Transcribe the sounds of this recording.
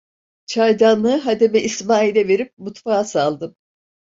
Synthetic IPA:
t͡ʃʰajd̪anlˠɯːɦad̪emɛʔismaːilʲɛve̞ɾip̚mut̪faːasalˠd̪ɯm

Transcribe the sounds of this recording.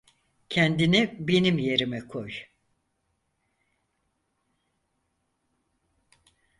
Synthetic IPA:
cʰɛnd̪inibe̞nimje̞ɾimɛkʰoj

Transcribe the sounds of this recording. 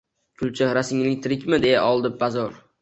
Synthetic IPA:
kʲʰʊlˠt͡ʃʰɪɾasɪŋlɪŋ̚ʲt̪ʰɾɪkʲmɪd̪e̞jaʔɒlˠd̪ɪb̚bazɒɾ

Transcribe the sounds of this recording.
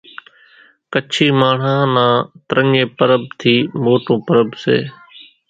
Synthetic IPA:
kət͡ʃʰiːmaːɳ̤ãːnãːt̪ɾəɲeːpəɾəb̚t̪ʰiːmoːʈõːpəɾəbsḛː

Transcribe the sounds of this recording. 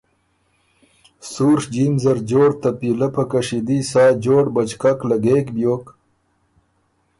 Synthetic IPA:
suːɾʂd͡ʒinzɐɾd͡ʒoːɽt̪ɐpilɐpɐkɐʂid̪isaːd͡ʒoːɽbɐt͡ʃkaklaɡeːkbjoːk

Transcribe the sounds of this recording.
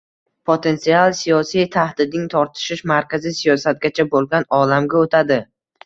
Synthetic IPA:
pʰot̪ʰe̞nt̪sialˠsijɒsijt̪ʰahd̪ɪd̪nɪŋt̪ʰɒɾt̪ʰɪ̥ʃɪʃmaɾkʲʰazɪsijɒsat̪̚ɡʲat͡ʃʰabolˠɡʲanɒlamɡʲaot̪ʰad̪ɪ

